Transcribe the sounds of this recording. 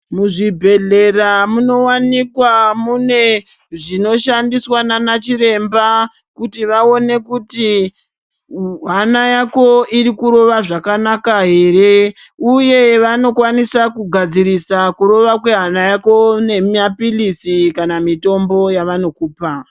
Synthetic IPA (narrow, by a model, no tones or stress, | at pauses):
muʐibʱe̞ɮe̞ramuno̞wanikwamune̞ | ʐino̞ʃandiswananat͡ʃiɾe̞mba | kutiʋao̞ne̞kuti | ɦanajako̞iɾikuɾo̞ʋaʐakanakaɦe̞ːɾe̞ | uje̞ʋano̞kwanisakuɡʱad͡ziɾisakuɾo̞ʋakwe̞ɦanajako̞ne̞miapilisikanamito̞mbo̞jaʋano̞kuːpa